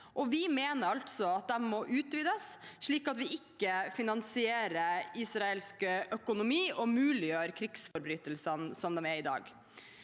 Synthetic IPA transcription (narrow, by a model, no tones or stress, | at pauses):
ʔɔʋɪmeːnəɾɑlt̪sɔɑt̪̚d̪ɛmːɔʔʉːt̪ʋiːd̪əsʂɭiːkɑt̪ʋɪɪkːəfɪnɑnsɪeːɾəisɾɑɛlskəʔœkʊnʊmiːɔmʉːlɪjøːɾkʰɾɪksfɔɾbɾyːt̪əlsənsɔmd̪ɛmɛɾɪd̪ɑ̰ːɡ